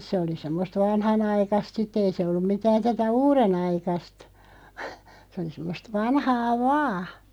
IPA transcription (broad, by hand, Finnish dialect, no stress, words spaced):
se oli semːost ʋɑnhɑnɑikɑst sitˑ ei se olːum̆ mitæːn tætæ uːrenɑikɑst sĕ oli semːost ʋɑnhɑː ʋɑː